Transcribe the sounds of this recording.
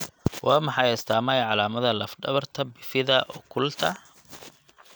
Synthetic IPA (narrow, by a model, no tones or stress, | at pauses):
wʔɑːmɑħɑjɪst̪ʰaːmɐjʕɑlaːmɐðɐlɐfɖɐβɐrt̪ʰɐbɪfɪðɐʔɔkʰʊlt̪ʰɐ